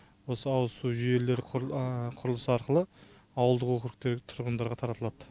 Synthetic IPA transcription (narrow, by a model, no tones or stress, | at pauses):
wo̞səɑwəsuʒʏje̞le̞ɾɪqʰʊɾəlˠəsɑɾqəlˠə | ɑwəlˠd̪əqwokʲɪɾɪk̚t̪e̞ɾʲɪt̪ʰʊɾʁənd̪ɑɾʁɑt̪ʰɑɾɑt̪əlˠɑd̪̥ə